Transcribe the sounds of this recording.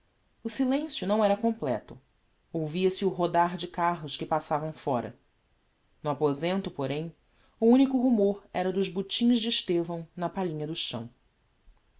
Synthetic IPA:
ʊsilẽsjʊnɐ̃w̃ɛɾɐkõmplɛ̰t̪ʊ | owviɐsɪʊɦod̪aɾd͡ʒɪkaɦʊskɪpasavɐ̃w̃fɔɾɐ̰ | nʊapozẽnt̪ʊpoɾẽj̃ | ʊũnikʊɦumoɾɛɾɐd̪ʊzbut͡ʃĩzd͡ʒɪːʃt̪evɐ̃w̃nɐpaʎĩɲɐd̪ʊʃɐ̰̃w̃

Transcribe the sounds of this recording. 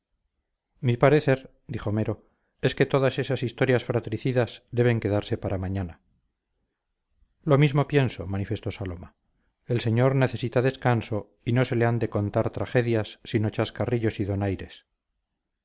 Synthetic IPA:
mipaɾe̞θe̞ɾ | d̪iχome̞ɾo̞ | e̞ske̞t̪o̞ðase̞sasist̪o̞ɾjasfɾat̪ɾiθiðazd̪e̞β̞e̞ŋke̞ðaɾse̞paɾamaɲana | lo̞mizmo̞pje̞nso̞manife̞st̪o̞salo̞ma | e̞lse̞ɲo̞ɾne̞θe̞sit̪aðe̞skanso̞ | ino̞se̞leand̪e̞ko̞nt̪aɾt̪ɾaχe̞ðjasːino̞t͡ʃaskariʎo̞siðo̞najɾe̞s

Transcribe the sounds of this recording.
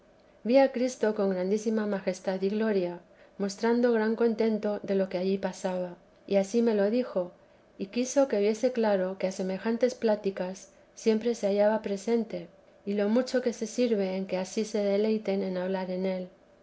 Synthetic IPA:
biakɾist̪o̞ko̞ŋɡɾand̪isimamaxe̞st̪aðiɣlo̞ɾja | mo̞st̪ɾand̪o̞ɣɾaŋko̞nt̪ẽ̞nt̪o̞ðe̞lo̞keaʎipasaβa | iasime̞lo̞ðixo̞ | ikiso̞ke̞βje̞se̞klaɾo̞kease̞me̞xant̪e̞splat̪ikasː | je̞mpɾe̞se̞aʝaβapɾe̞se̞nt̪e̞ | ilo̞mut͡ʃo̞ke̞se̞siɾβe̞ːŋke̞asise̞ðe̞le̞jt̪e̞ne̞naβlaɾe̞ne̞l

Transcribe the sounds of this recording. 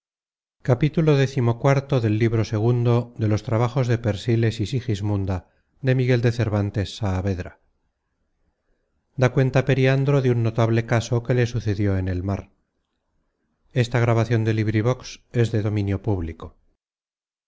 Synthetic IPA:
kapit̪ulo̞ðe̞θimokwaɾt̪o̞ðe̞lːiβ̞ɾo̞se̞ɣ̞und̪o̞ðe̞lo̞st̪ɾaβ̞aχo̞zðe̞pe̞ɾsile̞sisixizmund̪a | ðe̞miɣe̞ld̪e̞θe̞ɾβant̪e̞sːaːβe̞ðɾa | d̪akwe̞nt̪ape̞ɾiand̪ɾoðeunːo̞t̪aβle̞kaso̞ke̞le̞suθe̞ðjo̞ene̞lmaɾ | e̞st̪aɣ̞ɾaβaθjo̞nd̪e̞liβɾiβ̞o̞kse̞zðe̞ðo̞mĩnjo̞puβliko̞

